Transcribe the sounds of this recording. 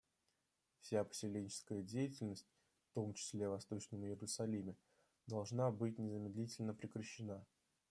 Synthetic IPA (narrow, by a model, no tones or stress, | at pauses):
fsʲapə̥sʲɪlʲenʲt͡ɕɪ̥skəjədʲejɪtʲɪlʲnəsʲt̚ʲ | ft̪o̞mt͡ɕɪ̥sʲlʲe̞vɐst̪o̞t͡ɕnʲəmjɪɾʊsɐlʲimʲɪ | d̪ɐlˠʐnabɨtʲnʲɪzəmʲɪd̪lʲitʲɪlʲnəpɾʲɪkɾəɕːɪna